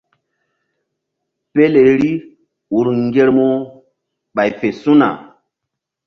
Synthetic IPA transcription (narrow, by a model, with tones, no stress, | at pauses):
pe˦le˨ɾi˦ | u˨ɾŋɡe˦ɾmo˦ | ɓa˨jfe˨sũ˦na̰˨